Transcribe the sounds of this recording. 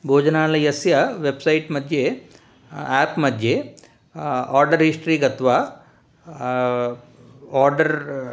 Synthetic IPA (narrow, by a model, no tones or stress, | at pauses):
bʱoːd͡ʒɐnaːlɐjɐsjɐʋebsɐjʈmɐd̪ʱje | aːpmɐd̪ʱje | aːɾɖɐɾɦisʈɾiːɡɐt̪ʰɐʋaː | aːɾɖɐɾ